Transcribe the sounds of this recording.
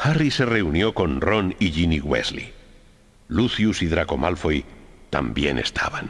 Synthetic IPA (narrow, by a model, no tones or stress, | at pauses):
xarise̞re̞unjo̞ko̞nro̞niʎiniɣwe̞̰zlḭ | luθjusiðɾako̞mʔalfo̞jt̪a̰mbje̞̰ne̞̰st̪ʰa̰βan